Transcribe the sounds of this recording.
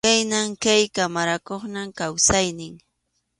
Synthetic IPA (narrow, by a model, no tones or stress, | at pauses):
ajnaŋkajkamaɾakoχnamkawsajnɪŋ